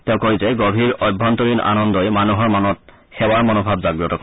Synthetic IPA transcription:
tɛʊ̃koɹizɛɡobʱiɹɔjbʱːɔntɔɹina̰nɔndɔjmanuɦɔɹmanɔt̚ | xɛwaɹmɔnobʱabzaɡɹɔtɔkɔ

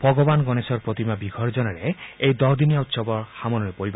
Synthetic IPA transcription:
b̥ʱɔɡɔbanɡɔnesɔɾpɾot̪imabiɡʱɔɾd͡ʒɔnɔɾeejd̪ɔɦd̪inijaut̪sɔbɔɹxamɔnɔɾepoɾiba

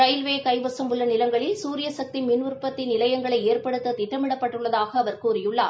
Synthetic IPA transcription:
ɾɐjlʋeːkɐɪʋɐsɐmʊlːɐnɪlɐŋɡɐɭɪlsuːɾɪjɐsɐk̚t̪imɪnʋʊɾpːɐt̪ːɪnɪlɐjɐŋɡɐɭɐɪeːrpɐɽɯt̪ːɐt̪ɪʈːɐmɪɽɐpːɐʈːɯɭːɐðaːɣɐːʋɐɾkuːɾɪjɯɭːaː

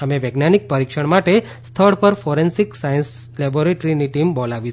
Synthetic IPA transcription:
əmeʋeɡnanik̚pəɾikʂəɳmaʈe | st̪ʰəɭpəɾfoɾensiksajnslɛboɾeʈɾiniʈimbolaʋi

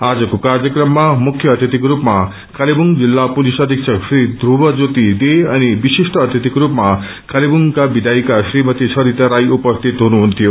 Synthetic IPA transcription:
ad͡zʌkokaɾd͡zjʌkɾʌmːamukʰːjʌːt̪jʌt̪ikɾupma | kalibuŋd͡zilːapulisʌd̪ʱiksʰʌsɾid̪ɾubʌd͡zot̪id̪eʌnibisisʈʌːt̪jʌt̪ikɾupma | kalibuŋkabid̪ʱajkasɾimʌt̪isʰʌɾit̪aɾajʔupʌst̪ʰit̪ɦonuɦunt̪ʰijo

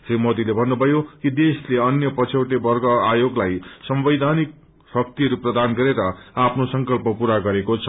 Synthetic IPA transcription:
srimot̪ilebʱʌnːubʱʌjokid̪esleʌnjʌpʌt͡sʰewʈebʌrɡʌajoɡlajsʌmbʌjd̪ʱanik̚ | sʌk̚t̪iɦʌɾuprʌd̪anɡʌɾeɾʌapʰnosʌŋkʌlpʌpuɾaɡʌɾekot͡sʰʌ

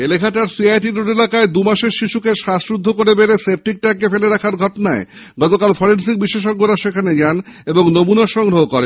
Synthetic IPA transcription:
elekʰaʈaɾsiajʈiɾuɖelakaed̪umaʃeɾʃiʃukeʃaʃɾud̪ʱːokoɾebeɾesep̚ʈik̚ʈakefeleɾakʰaɾɡʱɔʈonae | ɡɔt̪okalfɔɾensik̚biʃeʃoɡːoɾaʃekʰaned͡ʑaneboŋnomunaɾʃɔŋɡɾoɦokoɾḛ

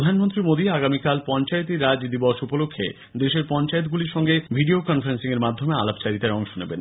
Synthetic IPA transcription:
od̪ʱanmont̪ɾimod̪iaɡamikalpɔnt͡ɕaet̪iɾad͡ʑd̪ibɔʃupolokʰːḛ | d̪eʃeɾpɔnt͡ɕaet̪̬̚ɡuliɾʃɔŋɡebʱiɖiokɔnfaɾensiŋeɾmad̪ʱːomea̰labt͡ɕaɾit̪aeɔŋʃoneben

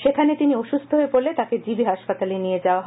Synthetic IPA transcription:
ʃekʰanet̪inioʃust̪ʰoɦoepoɾlet̪aked͡ʑibiɦaʃpat̪alenijed͡ʑaoaɦ

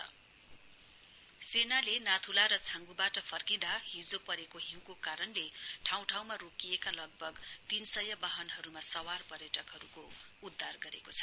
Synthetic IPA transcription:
ʌ | senalenat̪ʰulaɾʌt͡sʰãŋɡubaʈʌpʰʌrkĩd̪ahid͡zopʌɾekoɦĩw̃kokaɾʌnleʈʰaw̃ʈʰaw̃marokijekalʌɡ̚bʱʌɡt̪insʌjʌbaɦʌnɦʌɾumasʌwarpʌrjʌʈʌkɦʌɾukoud̪ʱːarɡʌɾḛkot͡sʰʌ̥

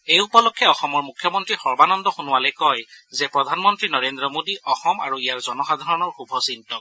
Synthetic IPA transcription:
ejupɔlɔkʰːɛɔxɔmɔɹmukʰːjɔmɔntɹixɔɹbanɔndɔxunʊwalɔjkɔjzɛpɹɔdʱanmɔntɹinɔɹendɹɔmodiʔɔxɔma̰ɹuijaɹzɔnɔxadʱaɹɔnɔɹxubʱɔsintɔk̚

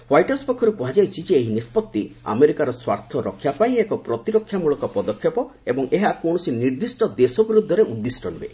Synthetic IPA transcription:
wajʈɔspɔkʰːɔɾukuɦad͡ʒajt͡ʃʰid͡ʒeːɦinispɔt̪ːia̰meɾikaɾɔswaɾt̪ʰɔɾɔkʰːjapaĩekɔpɾɔt̪iɾɔkʰːjamuɭɔkɔpɔd̪ɔkʰːjepɔ | ebɔŋeɦakoɽ̃ɔsiniɾd̪isʈɔd̪esɔbiɾud̪ʱːɔɾeʔud̪ːisʈɔn̤ubḛ

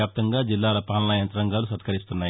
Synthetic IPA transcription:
jaːp̚t̪ɐŋɡaːd͡ʒilːaːlɐpaːnlajɐnt̪ɐɾɐŋɡaːlusɐt̪kɐɾist̪unːaː

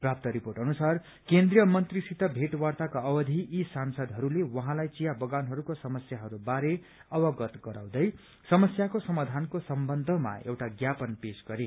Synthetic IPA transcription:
prap̚t̪ʌɾiporʈʌnusar | kend̪rijʌmʌnt̪risit̪ʌbʱeʈwart̪akaʌwʌd̪ʱiʔːsansʌd̪ɦʌɾulewʌɦãlajt͡sijabʌɡanɦʌɾukosʌmʌsjaɦʌɾubaɾe | ʌwʌɡʌt̪ɡʌɾa̰w̃d̪ʌj | sʌmʌsjakosʌmad̪ʱankosʌmbʌnd̪ʱʌma̰ḛwʈaɡjapʌnpesɡʌɾe

